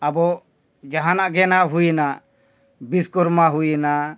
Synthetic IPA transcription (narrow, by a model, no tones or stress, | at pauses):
abɔʔ | d͡ʒaɦanaʔɡɛnaɦujinaʔ | biskuɾmaɦujina